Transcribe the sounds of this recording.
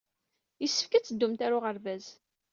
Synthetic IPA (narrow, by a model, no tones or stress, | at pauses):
jəsːə̥fkæt͡sːəd̪ːumt̪æɾʊʁəɾvæz